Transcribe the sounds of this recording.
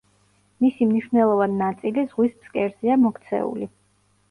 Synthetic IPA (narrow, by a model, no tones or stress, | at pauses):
misimniʃvnɛlˠɔvaninat̪sʼilizʁwisbskʼɛɾziamɔkʰt̪sʰɛ̰ṵli